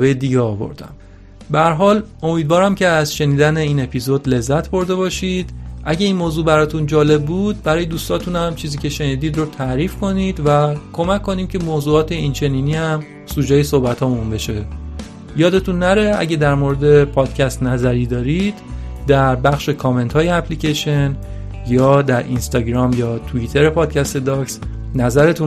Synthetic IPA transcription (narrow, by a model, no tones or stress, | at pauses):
vejed̪iːɡeɒːvo̰ɾd̪æ̰m | beæɾɦɒːlo̞miːd̪vɒːɾæmcʰe̞æzʃe̞niːd̪æneiːne̞pʰizod̪le̞zːæt̪ʰbo̞ɾd̪e̞βɒːʃid̪̥ʔæɟeiːnmoːzuːbæɾɒːt̪ʰund͡ʒɒːle̞b̚ːuːd̪̥̚bæɾɒːje̞d̪uːst̪ɒːt̪ʰunæmt͡ʃʰiːziːcʲʰe̞ʃe̞niːd̪iːd̪rot̪ʰæɾiːfkʰo̞nid̪̥vækʰo̞mæcʰkːo̞niːmcʰe̞moːzuːɒːt̪ʰe̞int͡ʃʰe̞niːniːhæm | suːd͡ʒɒːjesohbæt̪ʰhɒːbunbe̞ʃe̞ | jɒːd̪e̞t̪ʰunːæɾeʔæ̰ɟed̪æɾmoɾed̪e̞pʰɒːd̪̥cʰæst̪næzæɾiːd̪ɒːɾid̪̥ːæɾbæxʃe̞kʰɒːme̞nt̪ʰhɒːjeæpʰliːcʰeʃen | jɒːd̪æɾʔḭnst̪ɒɟɾɒːmjɒːt̪ʰuit̪ʰe̞ɾe̞pʰɒːd̪̚cʰæst̪e̞d̪ɒːks | næzæɾe̞t̪ʰu